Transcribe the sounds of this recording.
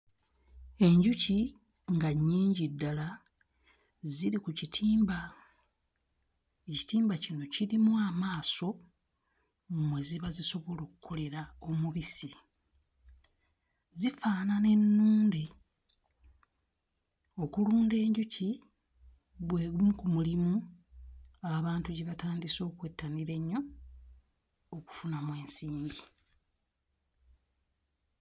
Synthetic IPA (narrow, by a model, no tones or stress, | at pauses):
e̞ɲɟuci | ŋɡaɲːiːɲɟidːala | ziɾikucitʰiːmba | eci̥tiːmbacino̞ciɾimwaːmaːso̞ | mwe̞ziβaziso̞βo̞lo̞ːkukʰo̞le̞ɾao̞muβisi | zifaːnane̞nːuːnde | o̞kuluːnde̞ːɲɟucʰi | βwe̞ːɡumukumulimu | aβaːntuɟeβataːndiso̞ːkwe̞ːtʰːaniɾe̞ɲːo̞ | ku̥funamwe̞ːnsiːɲɟi